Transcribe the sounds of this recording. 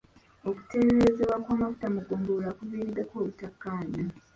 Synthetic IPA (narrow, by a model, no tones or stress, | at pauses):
oku̥te̞ɾeɾezeβwakwaːmafu̥tamuɡoːmbolakuviːɾid̪ːekoːβutakːaːna